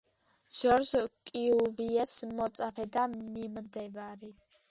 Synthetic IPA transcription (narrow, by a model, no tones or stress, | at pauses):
ʃɔɾzkʼiuviɛsmɔt̪sʼapʰɛd̪amimd̪ɛbaɾi